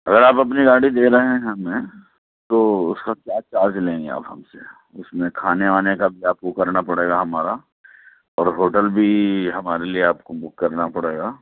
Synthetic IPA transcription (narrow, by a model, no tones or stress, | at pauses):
ɐɡəɾaːpɐpniɡaːɽid̪eːɾɐɦɛ̃ɦɐmẽ | t̪oːʊskakjaːt͡ʃaːd͡ʒlẽːŋɡḛa̰ːpɦɐ̰mse | ʊsmẽkʰaːneaːnekabʱiaːp̚kokɐɾnapɐɽeːɡaɦɐmaːɾa | ɔːɾɦoːʈəlbʱiɦɐmaːɾelieaːp̚kobʊkːɐɾnapɐɽeːɡaː